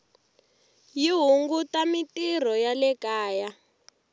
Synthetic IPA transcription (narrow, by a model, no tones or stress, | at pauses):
jiɦuŋɡutamitir̤ɔjalɛkaːja